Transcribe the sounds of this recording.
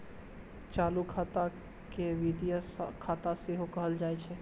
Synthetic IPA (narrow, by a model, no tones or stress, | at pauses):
t͡ʃaːlukʰat̪a | keʋid̪ijəskʰaːt̪aseɦokəɦəld͡ʒaːɛt͡ʃʰɛ